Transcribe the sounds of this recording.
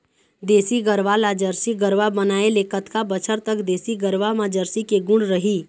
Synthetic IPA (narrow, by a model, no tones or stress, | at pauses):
d̪eːsiɡəɾʋalad͡ʒəɾsiɡəɾʋabənaːelekət̪kabət͡ʃʰəɾt̪əkd̪eːsiɡəɾʋamãd͡ʒəɾsikeɡʊ̃ɳɾəɦiː